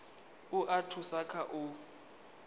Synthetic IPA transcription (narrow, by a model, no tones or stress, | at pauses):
ʊʔatʰʊsakʰaʔʊ